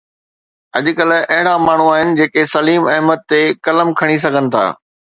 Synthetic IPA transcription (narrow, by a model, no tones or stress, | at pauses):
ɐʄʊkɐlʊ̆ɐɦɪɽamaːɳ̤uaːɦɪnɪ̆d͡ʑeːkesɐliːmɐɦmət̪ːekɐləmkʰɐɽ̃is̬ɐɡʱənɪ̆t̪ʰa̰ː